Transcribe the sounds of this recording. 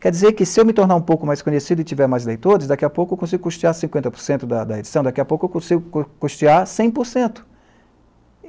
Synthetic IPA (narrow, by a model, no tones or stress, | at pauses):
kɛɾd͡ʒizeɾkɪsɪewmɪt̪oɾnaɾũpowkʊmajskõɲesid̪ʊɪt͡ʃivɛɾmajzlejt̪oɾɪzd̪akiɐpowkʊewkõs̬iɡʊkuʃt͡ʃiaɾsĩŋkwẽnt̪ɐpo̥ɾsẽnt̪ʊd̪ɐd̪ɐed͡ʒi̥sɐ̃w̃d̪akiɐpowkʊewkõsiɡʊkkuʃt͡ʃiaɾsẽj̃poɾsẽnt̪ʊ̥